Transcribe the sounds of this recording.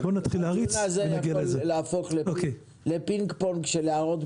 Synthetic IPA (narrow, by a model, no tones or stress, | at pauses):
bonat̪χileaʁiazenaɡialezeleafo̞χleoke | le̞piŋkpoŋkʃeleaʁot̪